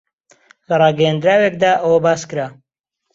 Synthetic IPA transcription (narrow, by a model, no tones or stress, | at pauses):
lɐrˤɑːɡɐjand̪ɾaːwekd̪aːʔəwɐbaːskɨɾaː